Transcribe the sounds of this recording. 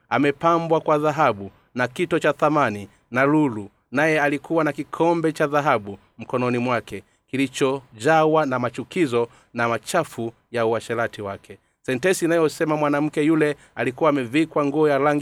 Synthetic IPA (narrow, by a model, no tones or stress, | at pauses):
amɛpambwakwaðaɦaɓu | nakitɔt͡ʃaθamani | nalulu | najɛalikʰuwanakikʰɔmbɛt͡ʃaðaɦaɓu | m̩kɔnɔnimwakɛ | kilit͡ʃɔd͡ʒawanamat͡ʃukizɔ | namat͡ʃafu | jauaʃɛlatiwakɛ | sɛntɛsinajɔsɛmamwanam̩kɛjulɛ | alikuwaːmɛvikwaŋɡuɔjalaŋɡ